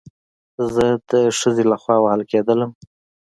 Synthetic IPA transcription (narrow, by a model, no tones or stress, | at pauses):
zəd̪əʂəzelaxwɑwahəlked̪ələm